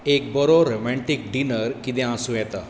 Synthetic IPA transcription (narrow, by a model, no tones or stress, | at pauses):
ek̚bəɾoɾomɛ̃ɳʈik̚ɖinəɾkit̪̬ɛ̃ãsũjɛt̪a